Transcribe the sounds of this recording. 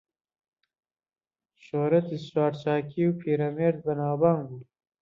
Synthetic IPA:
ɕoːɾɐt̪iswaːɾt͡ʃaːkiwpʰiːɾɐmeɾd̪̚bɐnaːbaŋɡu

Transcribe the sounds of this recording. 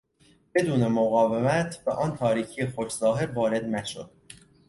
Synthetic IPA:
b̥e̞d̪uːne̞moɣɒːvemæt̪ʰb̥ḛʔɒːnt̪ʰɒːɾiːcʰijexoʃzɒːɦeɾvɒːɾe̞d̪̚næʃo̰d̪̥

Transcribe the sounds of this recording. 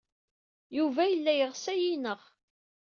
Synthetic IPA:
juvæjəlːæjəʁsæjinəʁ

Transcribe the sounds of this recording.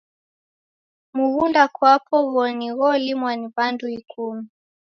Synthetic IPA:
muɣundakwapɔɣɔniɣɔlimwaniβanduikumi

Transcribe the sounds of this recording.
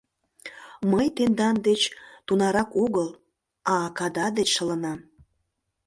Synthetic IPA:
məjt̪end̪ɑnd̪et͡ɕt̪unɑɾɑkoɣəl | ɑːkɑd̪ɑd̪et͡ɕʃə̆lə̆nɑm

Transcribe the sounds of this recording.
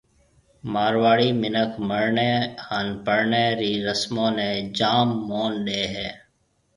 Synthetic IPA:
maːɾʋaːɽiːmɪnəkʰməɾɳeːhənpəɾneːɾiːɾəsmõːnẽːd͡ʒaːmːoːnɗeːɦɛː

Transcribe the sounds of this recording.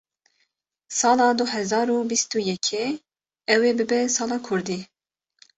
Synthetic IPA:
sɑːlɑːd̪ʊhɛzɑːɾuːbist̪ujɛkʰɛ | ɛweːbɨbɛsɑːlɑːkʰʊɾd̪iː

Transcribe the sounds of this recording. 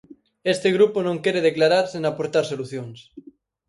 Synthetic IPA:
est̪eɣ̞ɾuponõŋkeɾeðeklaɾaɾsenapoɾt̪aɾsoluθjoŋs

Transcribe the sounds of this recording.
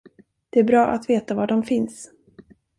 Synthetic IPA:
d̪̥ɛæɾbɾɑːʔa̰t̪veːt̪avaɖɔmfɪns

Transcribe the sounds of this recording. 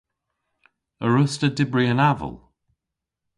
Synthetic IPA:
əɹʊstədɪbɹiənavə̰lˠ

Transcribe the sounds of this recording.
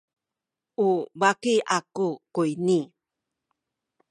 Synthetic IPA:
ubakiʔakukuini

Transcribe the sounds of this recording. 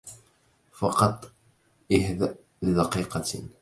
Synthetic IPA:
fɑqɑt̪ˤ | ʔɪɦðaʔ | lɪðɑqiːqɑ

